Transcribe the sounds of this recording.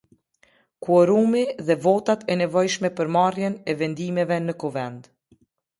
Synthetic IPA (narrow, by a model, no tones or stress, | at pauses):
kuɔɾumiðɛvɔt̪at̪ɛnɛvɔjʃmɛpəɾmarjɛnɛvɛnd̪imɛvɛnəkuvɛnd̪